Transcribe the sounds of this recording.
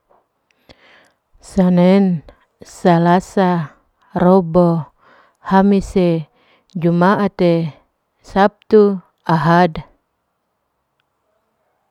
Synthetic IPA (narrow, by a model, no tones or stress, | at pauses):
sanɛn | salasa | robo | hamise | d͡ʒumaʔat̪e | sap̚t̪u | aɦad